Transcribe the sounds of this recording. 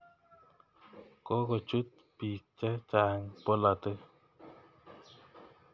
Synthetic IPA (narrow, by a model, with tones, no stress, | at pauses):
kɔ˦kɔ˨t͡ʃu˦t̪̚ | pi˨k̚t͡ʃɛ˦t͡ʃa˨ɛ˦ŋpɔ˦la˨t̪ɯ˦